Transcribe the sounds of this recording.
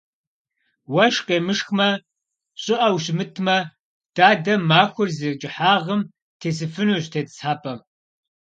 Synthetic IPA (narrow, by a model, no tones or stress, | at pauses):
wɐʃqeːmɨʂxmɐ | ɕʼɪʔɐwɕ̬mɨtʰmɐ | d̥aːdɐmaːxʷʊrzet͡ʃʼɪħaːʁəm | tʰeːs̬ɨfɨnuɕtʰeːtt͡sħaːpʼɐm